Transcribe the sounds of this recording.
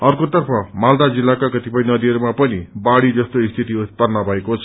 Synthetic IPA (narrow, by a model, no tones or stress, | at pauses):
ʌrkot̪ʌrpʰʌmald̪ad͡zilːakakʌt̪ipʌinʌd̪iʌɾumapʌnibaɽid͡zʌst̪oist̪ʰit̪iut̪̚pʌrnʌbʱʌekot͡sʰʌ̥